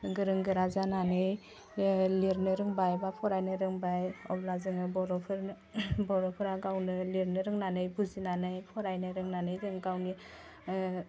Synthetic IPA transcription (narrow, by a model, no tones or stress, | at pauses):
ɡɯɾɯŋɡɯɾazananɯj | liɾnɯɾɯŋbajbapʰɔɾajnɯɾɯŋbajɔblazɯŋɯbɔɾɔpʰɯɾ | bɔɾɔpʰɯɾaɡawnɯliɾnɯɾɯŋnanɯjbuzinanɯjpʰɔɾajnɯɾɯŋnanɯjdɯŋɡawni